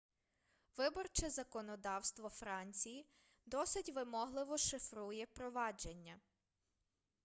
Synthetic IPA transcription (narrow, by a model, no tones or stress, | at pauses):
ʋɪbɔrt͡ʃɛzɐkɔnɔd̪ɑwst̪ʋɔfɾɑnʲt͡sʲiji | d̪ɔsɪtʲʋɪmɔɦlˠɪʋɔʃɪfɾujɛpɾɔʋɑd͡ʒenʲːɐ